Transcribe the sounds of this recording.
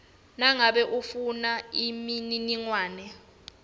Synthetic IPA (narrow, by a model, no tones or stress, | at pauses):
naŋaɓɛʔufunaimininiŋwaːnɛ